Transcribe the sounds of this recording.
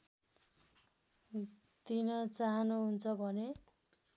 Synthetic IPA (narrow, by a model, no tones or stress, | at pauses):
t̪inʌt͡saɦʌnuɦunt͡sʰʌbʱʌne